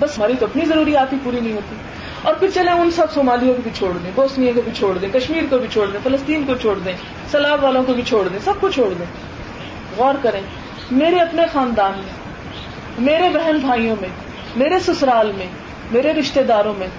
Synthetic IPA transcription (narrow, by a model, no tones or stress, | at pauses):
bɐsmaːɾit̪oɐpnizɐɾuːɾijaːt̪ɦipuːɾinɐɦĩɦoːt̪i | ɔːɾpʰɪɾt͡ʃɐlẽʊnsɐbsoːmaːlijõkobʱit͡ʃʰoːɽd̪ẽːboːsnijõkobʱit͡ʃʰoːɽd̪ẽːkɐʃmiːɾkobʱit͡ʃʰoːɽd̪ẽːfɐləst̪iːnkot͡ʃʰoːɽd̪ẽ | sɐlaːbʋaːlõkobʱit͡ʃʰoːɽd̪ẽːsɐb̚kot͡ʃʰoːɽd̪ẽː | ɣɔːɾkɐɾẽː | meːɾeɐpnexaːnd̪aːnmẽ | meːɾebɛɦɛnbʱaːijõmẽ | meːɾesʊsɾaːlmẽ | meːɾeɾɪʃt̪ed̪aːɾõmẽː